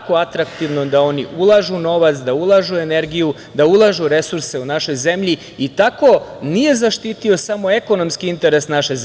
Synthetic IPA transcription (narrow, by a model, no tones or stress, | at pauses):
koat̪ɾakt̪iʋnod̪ao̞niʔulˠaʒuno̞ʋat̪sd̪aulˠaʒue̞ne̞ɾɡiju | d̪aulˠaʒuɾe̞suɾse̞unaʃo̞jze̞mʎi | it̪ako̞nije̞zaʃt̪iːt̪io̞samo̞eko̞no̞mskiint̪e̞ɾesnaʃe̞z